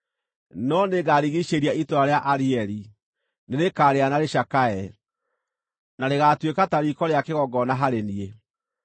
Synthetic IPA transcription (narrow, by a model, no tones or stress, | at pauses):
nɔneɡaɾiɣiʃeɾiaitoɾaɾeaʔaɾiɛɾi | neɾekaːɾeanaɾeʃakaɛ | naɾeɣatwekataɾikɔɾeakeɣɔɡɔnaɦaɾenie